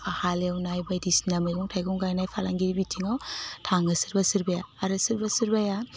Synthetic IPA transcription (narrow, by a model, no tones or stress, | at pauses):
pʰahalawnajbajdisnamɯd͡ʒɔŋtʰajɡɔŋɡajnajpʰalaŋɡiɾibitʰiŋawtʰaŋɯsɯɾbasɯɾbajaːɾɯsɯɾbasɯɾbaja